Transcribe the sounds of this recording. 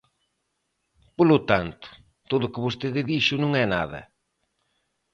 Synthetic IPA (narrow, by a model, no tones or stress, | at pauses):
polʊt̪ant̪ʊ̥ | t̪oðʊkɪβost̪eðɪðiʃʊnũŋɛna̰ðɐ̰